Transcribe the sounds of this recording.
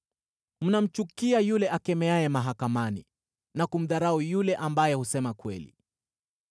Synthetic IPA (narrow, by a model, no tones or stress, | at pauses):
m̩nam̩t͡ʃukiajulɛʔakɛmɛajɛmaɦakamanḭ | nakum̩ðaɾaujulɛʔambajɛhusɛmakwɛ̰lḭ